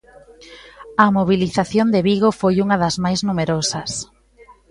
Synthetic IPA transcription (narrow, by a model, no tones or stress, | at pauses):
ɐmoβ̞iliθaθjond̪eβiɣofojuŋɐðɐzmajznumeɾosɐs